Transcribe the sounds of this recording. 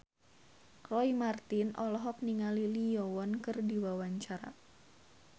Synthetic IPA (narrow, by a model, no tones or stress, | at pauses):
kɾɔimart̪ɪnʔɔlɔɦɔk̚niŋalilijɔwɔnkɨrdiwawaɲt͡ʃaɾa̰